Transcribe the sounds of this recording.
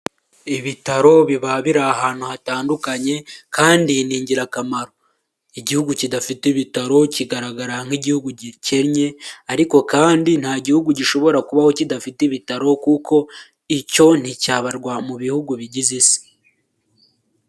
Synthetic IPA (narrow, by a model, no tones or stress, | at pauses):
iβitaɾo̞βiβaβiɾaːhaːn̥uhataːndukaɲe̞kaːndiniːɲɟiɾakamaɾo̞ | iɟihuɡucidafitiβitaɾo̞ciɡaɾaɡaɾaŋ̥iɟihuɡuɟiceɾɲe̞aɾiko̞kaːndin̥haːɟihuɡuɟiʃo̞βo̞ɾakuβaho̞cidafitiβitaɾo̞kukʰo̞ | ico̞n̥hicaːβaɾɡwamuβihuɡuβiɟizisi̥